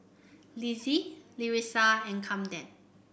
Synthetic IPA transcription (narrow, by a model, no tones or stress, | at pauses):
liziliɹisaɛ̃nkʰãmdɛ̃n